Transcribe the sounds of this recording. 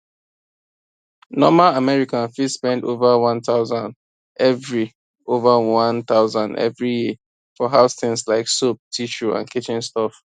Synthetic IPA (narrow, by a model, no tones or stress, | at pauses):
nɔmalamɛɹikãnfispɛ̃ndo̰vəwãnθaʊzãnd | ʔɛvɹi | ovəwãnθaʊzãndɛ̰vɹiji | fɔɦaʊsθɪ̃ŋslaɪksop̚tʰiʃuã̰nkit͡ʃĩnstɔf